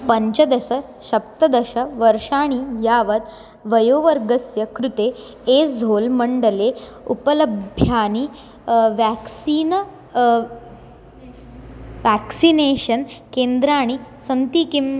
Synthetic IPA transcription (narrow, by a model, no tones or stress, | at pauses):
pəɲt͡ɕəd̪ɐsə | ɕɐp̚t̪əd̪əɕəʋəɾʂaːɽ̃ijaʋət̪ | ʋɐjoʋəɾɡəsjɐkɾut̪e | ed͡zʱolməɳɖəle | upələbʱjjaːñi | ʋæksiːn | ʋæksineɕənkend̪ɾaːɽ̃isənt̪ikim